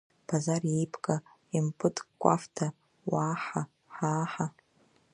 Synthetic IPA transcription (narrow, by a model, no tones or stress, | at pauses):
b̥ʰazarjejpʰʼkʼa | impʼɨtʰʼkʷʼa̰ftʰa | waːħa | ħaːħa